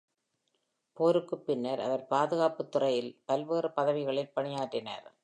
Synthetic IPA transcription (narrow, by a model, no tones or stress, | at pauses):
poːɾɯkːɯpːɪnːɐɾɐ̰ðɐɾpaːðɯɣaːpɯt̪ːʊrɐjɪlpɐlʋeːrɯpɐðɐʋɪɣɐɭɪlpɐɳɪjaːʈrɪnɐ̰ɾ